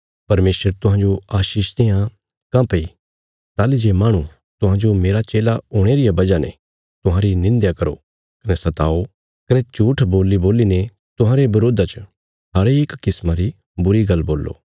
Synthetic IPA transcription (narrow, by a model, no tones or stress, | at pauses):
pɐɾmeːsəɾt̪ʊɦãːd͡ʒoaːʃiːʃt̪ejã | kãpei | t̪aːlid͡ʒemaːɽ̃ũ | t̪ʊɦãːd͡ʒomeːɾat͡ʃeːlaoːɽ̃eɾɪjabɐd͡ʒanḛ̃ | t̪ʊɦãːɾinɪ̃nd̪jakɐɾo̰ | kɐnɛsɐt̪aːo | kɐnɛt͡ʃuːʈʰboːlːiboːline | t̪ʊɦãːɾebɐɾoːd̪at͡ʃə | ɦɐɾeːkkːɪsmaɾi | bʊɾiɡɐlːboːlːo̰ː